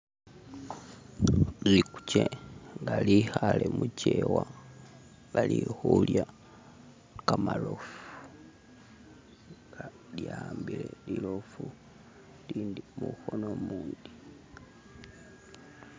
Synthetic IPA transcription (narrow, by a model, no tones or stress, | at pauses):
liku̥ceŋɡalihalemucewa | ŋɡalihulja | kamalofu̥ | ŋɡa | ljaːmbilelilofu | liːndimuxonomuːndi